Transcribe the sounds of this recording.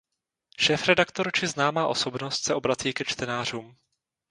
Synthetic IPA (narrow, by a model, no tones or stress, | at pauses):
ʃɛːfɾɛdakt̪oɾt͡ʃɪznaːmaːʔo̞so̞bno̞st̪sɛʔo̞bɾat͡siːkɛt͡ʃt̪ɛnaːr̝uːm